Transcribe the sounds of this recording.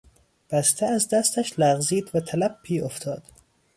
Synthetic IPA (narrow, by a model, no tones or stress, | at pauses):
b̥æst̪ʰeæzd̪æst̪ʰæʃlæɣziːd̪væt̪ʰælæb̚pʰiːoft̪ʰɒːd̪̥